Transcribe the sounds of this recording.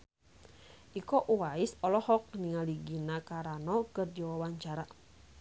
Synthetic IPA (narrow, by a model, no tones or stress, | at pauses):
ʔikɔʔuwaisɔlɔhɔk̚niŋaliɡinakaɾanɔkɨrdiwawaɲt͡ʃaɾa